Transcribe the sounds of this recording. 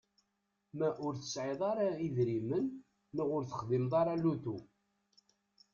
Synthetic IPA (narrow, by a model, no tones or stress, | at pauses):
mæʔʊɾθə̥sʕɪðˤɑɾaiðɾimənː | əʁʊɾθə̥χðimðˤɑɾˤalut̪u